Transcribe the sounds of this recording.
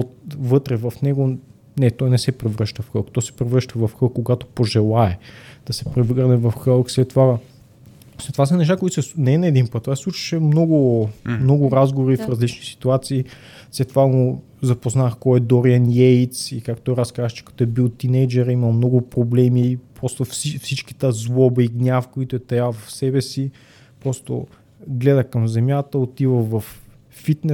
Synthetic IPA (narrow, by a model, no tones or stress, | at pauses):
ot̪vɤt̪ɾɛvɐfnɛɡo | nɛt̪ɔjnɛsɛpɾɛvɾɤʃt̪əfxɤlˠkt̪ɔjsɛ̥pɾɛvɾɤʃt̪əvɐfxɤlˠkːoɡat̪o̥poʒɛlˠaɛd̪̥ɐsɛ̥pɾɛvɾnɛvɐfxəlˠkslɛt̪ːva | slɛt̪ːovasɐnɛʃ̬t̪akoit̪osɛsnɛɛnɐɛd̪inpət̪ːovassˠut͡ʃi̥ʃɛmnɔɡʊmnɔɡʊɾazɡovɾifɾɐzlit͡ʃnisi̥t̪uat̪siː | slɛt̪ːovaɡo | zɐpoznaxkɔɛd̪oɾiɐnjɛjt̪sikakt̪ojɾaskazət͡ʃɛ̥kɐ̥t̪oɛbilˠt̪inɛjd͡ʒɛɾimɐmnɔɡʊpɾoblɛmipɾɔst̪ofsifsit͡ʃki̥t̪əzlˠɔbəiɡnʲafkoit̪ʊɛt̪ɐjavɐfsɛbɛsi | pɾɔst̪o̰ | ɡlɛd̪əkɐmzɛmʲjat̪əot̪ivəvɐfː | it̪nɛ